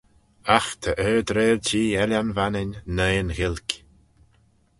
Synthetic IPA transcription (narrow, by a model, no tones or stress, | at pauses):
axt̪ʰəʔɛːd̪ɾeːlt͡ʃiːɛlʲanvanɪnnəːnɣɪlʲkʲ